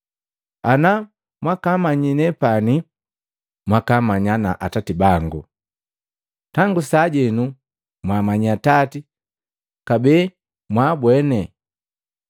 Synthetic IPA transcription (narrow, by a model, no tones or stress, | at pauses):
ana | mwakamaɲinɛpani | mwakamaɲanaʔatatibaŋɡṵ | taŋɡusaɟɛnu | mwamaɲiatati | kabɛː | mwabwɛnɛ